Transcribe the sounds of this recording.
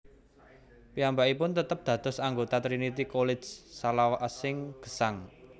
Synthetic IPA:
piambaʔipʊnt̪ət̪əp̚d̪̥ä̤d̪̥ɔ̤saŋɡot̪at̪ɾinit̪ikolɪ̥d͡ʒsalawasɪŋɡ̥ə̤̥saŋ

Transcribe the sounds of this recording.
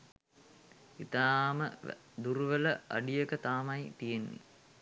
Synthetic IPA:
it̪aːmə | d̪uɾuʋələa̰ɖijəkət̪aːmɐjt̪ijenːḭ

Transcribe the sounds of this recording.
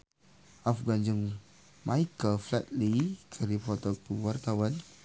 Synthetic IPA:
afɡand͡ʒuŋ | majkəflɛt̪̚likʰəɾipɔt̪əpuwart̪awan

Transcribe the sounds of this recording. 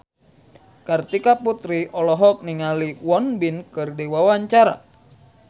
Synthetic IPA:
kərt̪ikaput̪ɾiʔɔlɔɦɔk̚niŋaliwɔnbinkɨrdewawaɲt͡ʃaɾa̰

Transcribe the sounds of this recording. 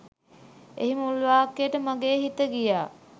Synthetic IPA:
ḛɦiməulʋaːkːejəʈəmaɡeːɦit̪əɡijaː

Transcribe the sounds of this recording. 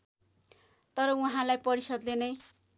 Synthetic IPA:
t̪ʌɾʌuɦãlajpʌɾisʌd̪lenʌj

